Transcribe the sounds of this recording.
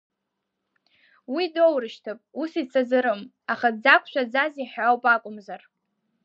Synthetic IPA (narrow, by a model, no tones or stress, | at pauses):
widowrɨʃtʰɨpʼusit͡sʰazɨɾɨm | aχad͡zakʷʰʼʃʷᶣad͡zaziħawpʼakʷʼʊmzar